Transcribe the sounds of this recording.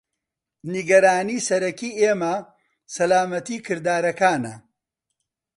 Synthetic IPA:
niɡɐɾaːniːsɐɾɐkiːeːmɐ | sɐlaːmɐt̪iːkʰɨɾd̪aːɾɐkaːnɐ̰

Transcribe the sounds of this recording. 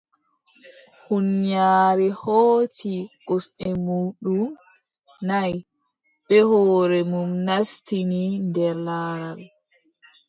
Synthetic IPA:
hunɲaːɾɛhoːtiɡɔsɛmuːɗum | naj | ɓɛhɔːɾɛmumnastinindɛɾlaːɾal

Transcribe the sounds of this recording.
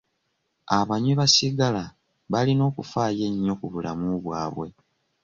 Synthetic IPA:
aβaɲiβasiɡala | βalino̞ːkufaːje̞ɲːo̞kuβula̰muβwaːβwe̞

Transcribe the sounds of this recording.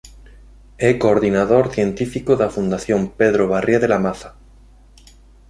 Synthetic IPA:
ɛkoːɾðinaðoɾθjent̪ifikoðafund̪aθjompeðɾoβ̞arjeðelamaθḁ

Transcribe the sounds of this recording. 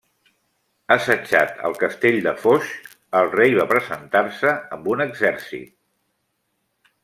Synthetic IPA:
əsət͡ʃa̰t̪ə̰lˠkəst̪eʎʲd̪əfoʃ | əlˠrejβapɾəzənt̪arsəəmbunəɡzɛɾsḭt̪̚

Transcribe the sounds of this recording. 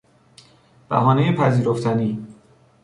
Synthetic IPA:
b̥æ̰ɦɒːnejepʰæziːɾoft̪ʰæniː

